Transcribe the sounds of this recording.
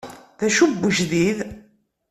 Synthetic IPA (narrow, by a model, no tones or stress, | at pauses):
ðæʃubːəʒðið